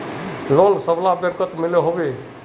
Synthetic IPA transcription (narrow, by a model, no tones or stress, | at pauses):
lonsəblabəɾkət̪mɪleɦobe